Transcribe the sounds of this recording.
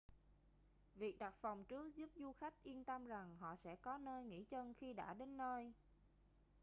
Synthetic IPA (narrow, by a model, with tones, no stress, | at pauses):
vi˨˩ək̚ɗa˨˩k̚fa˨˩wŋ͡mt͡ɕɨ˦˥ək̚zu˦˥p̚zu˧xa˦˥jk̚ʔi˧ənt̪ə˧mza˨˩ŋɦɔ̰˧˨sɛ̰˧˥kɔ˨˦nəː˧jŋḭ˧˥t͡ɕə˧nxi˧ɗa̰ː˧˥ɗe˨˦nːəː˧j